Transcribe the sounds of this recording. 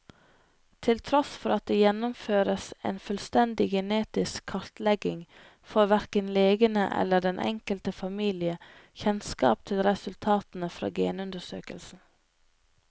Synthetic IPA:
t̪ʰɪlt̪ʰɾɔsfɔɾɑt̪̚d̪eːjɛnʊmføːɾəsḛːnfœlst̪ɛnd̪ɪɡɛneːt̪ɪskʰːɑɾt̪lɛɡɪŋ | fɔɾʋæɾkənleːɡənə̰ʔɛ̰lːəɖɛnʔɛ̰ŋkəlt̪əfɑmiːlɪəçɛnskɑ̰ːp̚t̪ʰɪlɾɛsʉlt̪ʰɑːt̪n̩əfɾɑ̰ːɡeːnʉnd̪əʂø̰ːkə̰lsn̩

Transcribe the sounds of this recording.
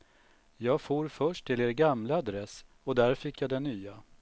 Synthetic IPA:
jɑːɡfoːɾfœʂʈʰːɪleːɾɡamlaad̪ɾɛs | ɔd̪æɾfɪkːjɑd̪ɛnːyːa

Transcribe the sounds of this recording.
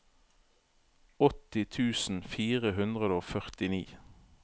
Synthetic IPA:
ɔt̪ɪt̪ʰʉːsn̩fiːʁəɦʉnd̪ʁəd̪əoːfœʁt̪ɪniː

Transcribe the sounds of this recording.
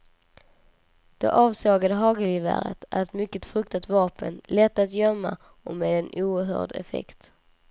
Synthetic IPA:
d̪̥ɛ̰ʔɑːvsɑːɡad̪əɦɑːɡəlivæ̰ɾə̰t̪ʰæ̰ɾɛt̪mʏkːət̪fɾɵk̚t̪at̪vɑːpənlɛt̪ːat̪jœmːa̰ | ɔmeːd̪ɛnuːəɾɦœ̰ːɖɛ̰fɛ̰kt̪

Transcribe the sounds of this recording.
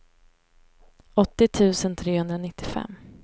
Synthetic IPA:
ɔt̪ːɪt̪ʰʉ̟ːsənt̪ʰɾeːhɵnd̪ɾanɪt̪ːɪfɛ̰mː

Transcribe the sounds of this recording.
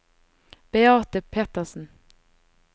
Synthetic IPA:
b̥eɑːʁt̪əpʰeːt̪əsn̩

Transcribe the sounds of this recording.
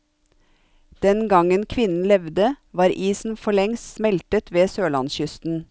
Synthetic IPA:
d̪̥ɛnɡɑŋənkʰʋɪnn̩lɛʋd̪əʋɑːɾʔiːsn̩fɔɭɛŋssmɛlt̪ət̪ʋeːsøːlɑ̰nsçʏst̪n̩

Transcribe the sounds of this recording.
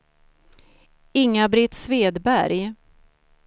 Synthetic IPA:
ɪŋːabɾɪt̪sveːd̪bæɾj

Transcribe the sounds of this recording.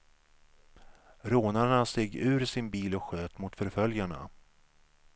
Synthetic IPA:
ɾoːnaɳaseːɡʉ̟ːɾsɪnbiːlɔkɧøːt̪mʊt̪fœɾfœljaɳa̰

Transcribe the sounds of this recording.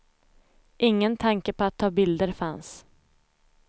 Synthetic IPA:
ʔɪŋːənt̪ʰaŋkəpʰɔat̪ʰːɑːbɪld̪əɾfans

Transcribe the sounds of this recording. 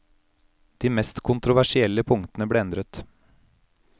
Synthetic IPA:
d̪̥iːmɛst̪kʰʊnt̪ɾʊʋæʂɪɛlːəpʰʊŋt̪ənəbleːɛnd̪ɾət̪

